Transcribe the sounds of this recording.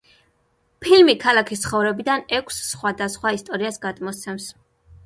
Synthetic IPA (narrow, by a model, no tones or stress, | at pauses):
pʰilmikʰalˠakʰist̪sʰχɔvɾɛbid̪anɛkʷʰsːχwad̪asχwaist̪ʼɔɾiasɡad̪mɔt̪sʰɛms